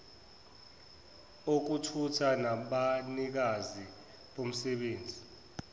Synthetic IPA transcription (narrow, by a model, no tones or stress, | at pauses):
ok̬utʰutʰanaɓanik̬azi | ɓom̩sɛɓeːnd͡zʱi